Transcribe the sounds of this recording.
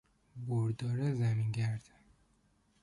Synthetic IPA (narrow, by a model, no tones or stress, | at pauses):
boɾd̪ɒːɾezæmiŋɡæɾd̪̥